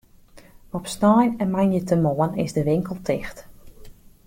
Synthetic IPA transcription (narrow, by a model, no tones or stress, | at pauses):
ɔpsnɔjnɛnmanjətəmoənɪ̰zdəʋɪŋkəlˠtʰɪxt